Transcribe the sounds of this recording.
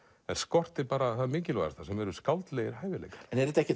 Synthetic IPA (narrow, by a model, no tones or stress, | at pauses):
ɛnskɔr̥t̪ɪɾpaːɾaθaðmiɲcɪlva̰ðast̪asɛmɛɾʏskawlt̪lɛjɣɪɾ̥ɦaːjvɪlḛjkḁɾ̥ɛnɛɾðɪt̪ɛhcɪ